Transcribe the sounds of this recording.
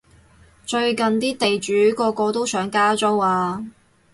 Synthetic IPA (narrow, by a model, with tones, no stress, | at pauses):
t͡ʃɵ˧ɥkɐ˨nt̪iː˥t̪e˨jt͡ʃyː˨˥kɔː˧kɔː˧t̪o˥wsœː˨˥ŋkaː˥t͡so˥waː˧